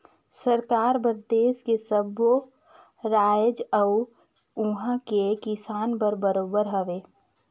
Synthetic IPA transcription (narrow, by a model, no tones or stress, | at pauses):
səɾkaːɾbəɾd̪eːskesəbo | ɾaːjəd͡ʒəw | ʊɦãkekɪsaːnpəɾbəɾoːbəɾɦɐʋeː